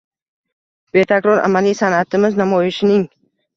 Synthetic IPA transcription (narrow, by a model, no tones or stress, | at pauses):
b̥e̞t̪ʰakɾɒɾa̰malijsanat̪ʰɪmɪznamɒjɪʃɪnɪŋ